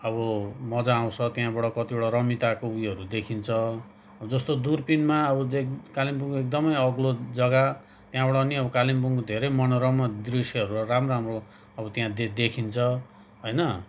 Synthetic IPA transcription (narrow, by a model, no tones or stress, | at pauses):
ʌbʌmʌd͡zãːw̃t͡sʰʌt̪jãbʌɽʌkʌt̪ibʌɽʌɾʌmit̪akoujʌɾud̪ekʰint͡sʰʌ | bʌd͡zʌst̪od̪urpinmaʌbʌekalimbuŋkoek̚d̪ʌmʌjʌɡlod͡zʌɡa | t̪jãbʌɽʌniʌbʌkalimpuŋkod̪ʱeɾʌjmʌnoɾʌmʌd̪risiʌɾuramroamro | ʌbʌt̪jãd̪ed̪ekʰint͡sʰʌ | ɦojnʌ